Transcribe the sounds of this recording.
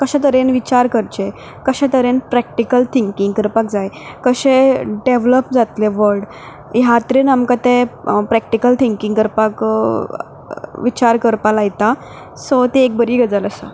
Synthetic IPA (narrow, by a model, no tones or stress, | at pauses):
kəɕɛ̃t̪̬əɾenʋit͡ɕaɾkəɾt͡ɕe | kəɕɛ̃t̪əɾenpɾɛk̚ʈikəlt̪ʰiŋkiŋɡkəɾpakd͡zajkəɕeɖeʋləpd͡zat̪leʋəɾɖ | jat̪ɾinamkat̪epɾɛk̚ʈikəlt̪ʰiŋkĩŋɡkəɾpak | ʋit͡ɕaɾkəɾpalajt̪a | sɔt̪eek̚bəɾiːɡəd͡zələsə